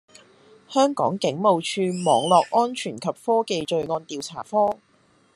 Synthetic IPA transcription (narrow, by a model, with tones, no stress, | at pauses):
hœː˥ŋkɔ̰ː˨˥ŋkɪ˨˥ŋmo˨˧wt͡ʃʰyː˧mɔː˨˩ŋlɔː˨k̚ʔɔː˥nt͡ʃʰyː˨˩nkʰɐ˨p̚fɔː˥ke˧jt͡ʃɵ˨˧ɥŋɔː˧nt̪iː˨˧wt͡sʰaː˨˩fɔː˥